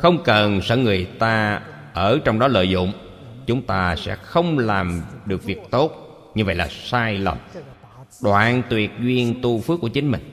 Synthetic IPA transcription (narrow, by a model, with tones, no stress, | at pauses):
xə˧wŋ͡mkə˨˩nsə̰ː˧˥ŋɨ˨˩əjt̪aː˧ | ʔəː˧˩t͡ɕɔ˧wŋ͡mɗɔ˨˦lə̰ː˧˨jzʊ̰˧˨ŋ͡m | t͡ɕʊ˨˦ŋ͡mt̪aː˧sɛ̰˧˥xə˧wŋ͡mlaː˨˩mɗɨ˨˩ək̚vi˨˩ək̚t̪o˦˥t̚ | ɲɨ˧və˧˨jlaː˨˩saː˧jlə̰˨˩m | ɗwa̰ː˧˨nt̪wi˨˩ət̚zwi˧ənt̪u˧fɨ˦˥kːt͡ɕï˦ŋ̟mï˨˩ŋ̟